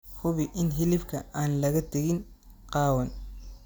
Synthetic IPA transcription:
hʊβɪʔɪnɦɪlɪfkʰɐaːnlɐɣɐt̪ʰɐɣɪnqɑːwɐn

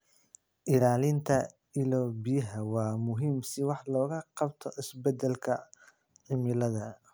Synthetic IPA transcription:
ʔɪlaːlɪnt̪ʰɐ | ɪlɔːbɪjɐɦɐwɑːmʊɦiːmsɪwɑħlɔːɣɐqɑbt̪ʰɔʔɪsbɛd̪ɛlkʰɐ | ʕɪmɪlɐðɐ

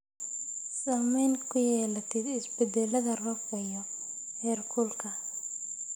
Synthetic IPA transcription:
saːmɛjnkʰʊjɛːlɐt̪ʰɪd̪ɪsbɛd̪ɛlɐðɐrɔfɐjɔ | hɛːrkʰulkʰɐ

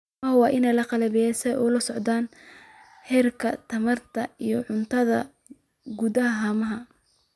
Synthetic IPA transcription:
ɐwɑːʔɪnɛjlɐqɑlɐβɪjɛsɛʔuːlɐsɔʕd̪aːn | ħɛrkʰɐt̪ʰɐmɐrt̪ʰɐijɔʕʊnt̪ʰɐðɐ | ɡud̪ɐɦɐɦaːmɐɦɐ

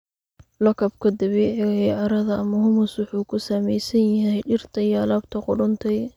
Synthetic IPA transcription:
lɔkʰɐbkʰɐd̪ɐβɛːʕɪɣɛjʕɑɾɐðɐʔɐmɐhʊmʊswʊħuːkʰʊsamɛjsɐnjɐɦɦɛjɖɪrt̪ʰɐjlaːbt̪ʰɐqʊɖʊnt̪ʰɛj

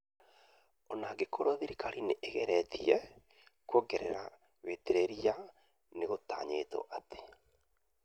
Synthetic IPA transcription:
ɔnaɡekʰoɾoðiɾikaɾineʔːɣɛɾɛtiɛ | kwoɡɛɾḛɾa | weteɾeɾia | neɣota̰ɲeto̰ʔate̥

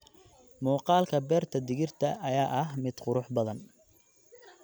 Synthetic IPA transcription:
muːqɑːlkʰɐbɛːrt̪ʰɐd̪ɪɣɪrt̪ʰɐʔɐjaːʔɐɦmɪd̪̥qʊɾʊħbɐðɐn

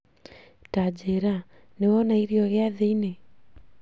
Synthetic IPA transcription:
tad͡ʒeɾa | newɔnaiɾiɔɣeaðeine

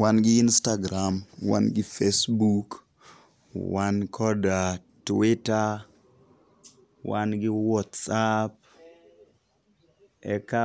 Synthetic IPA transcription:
wanɡɪɪnstaɡɾamwa̰nɡɪfesbuk | wankʰɔdatwɪta | wanɡɪwɔtsap̚ | ɛ̰ka

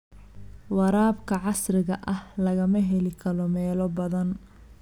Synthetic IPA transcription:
wɑɾaːbkʰɐʕɑsrɪɣɐʔɐhlɐɣɐmɐɦɛlɪkʰɐlɔmɛːlɔbɐðɐn

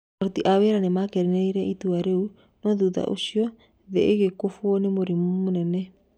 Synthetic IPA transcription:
ɾot̪iʔaweɾanemakeɾineiɾɛʔit̪uaɾeu | nɔðuða̰ʔo̰siɔ | ðeeɣekofwonemoɾimomonɛnɛ

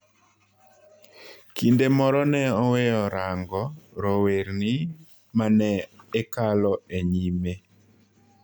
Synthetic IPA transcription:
kindemɔɾɔnɛɔwejɔɾaŋɡɔɾoweɾnɪ | manɛːkalɔeɲime

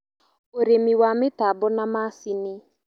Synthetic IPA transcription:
oɾemiwamɪtabɔnamasinɪ

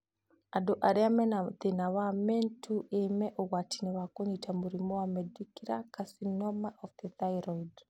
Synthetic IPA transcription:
adoʔaɾeamɛnaðenawamɛntʰuʔemɛʔɔɣwatʰinɛwakoɲitʰamuɾimɔwamɛdikiɾakasinɔmaʔɔfðɛθaiɾɔid

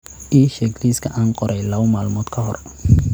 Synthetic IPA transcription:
ʔiːʃɛːɡliskʰɐʔaːnqɔɾʔɛjlɐwmaːlmɔːd̪kʰɐɦɔ̰r

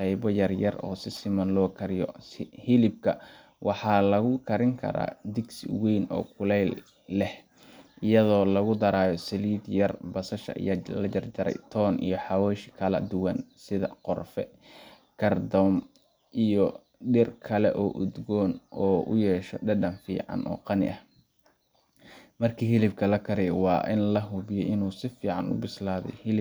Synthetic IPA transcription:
qɛjbɔjɐrjɐrɔ̰ːsɪsɪmɐnlɔːkʰɐɾɪjɔ̰hɪlɪb̚kʰɐ | wɑħɑːlɐɣʊkʰɐɾɪŋkʰɐ̰ɾa̰ːd̪ɪɡsɪ̰wejnɔ̰ːkʰʊlɛjlː | ɛh | ʔɪjɐðɔːlɐɣʊd̪ɐɾaːjɔsɐliːd̪jɐrbɐsɐʃɐ̰ʔjɐlɐd͡ʒɐrd͡ʒɐɾɛ̰jt̪ʰɔːnʔḭjɞħɑwɛːʃɪ̥kʰɐlɐ̰d̪ʊwɐnsɪðɐ̰qɔrfɛ̰ | kʰɐrd̪ɔm | ʔijɔ | ɖɪrkʰɐlɛ̰ʔɔːʔʊd̪ɡɔːnʔɔːʔʊ̰jɛːʃɔɖɐɖɐnfḭːʕɑ̰nʔɔ̰ːqɑnɪ̰ʔɐh | mɐrkʰiːɦɪlɪb̚kʰɐlɐkʰɐɾɛjwɑːʔɪ̰nlɐɦʊβɪjɛjɪnuːsɪfiːʕɑnʊ̰bɪslaːðɛ̰jhɪlɪ

